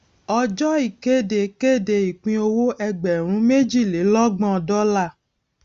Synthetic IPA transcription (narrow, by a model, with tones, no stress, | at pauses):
ɔ˧d͡ʒɔ˦i˨ke˦de˨ke˦de˨i˨k͡pĩ˧˦o˧wo˦ʔɛ˧ɡ͡bɛ˨ɾ̃ũ˨˦me˦d͡ʒi˦˨le˨˦lɔ˦ɡ͡bɔ̃˦˨dɔ˦la˦˨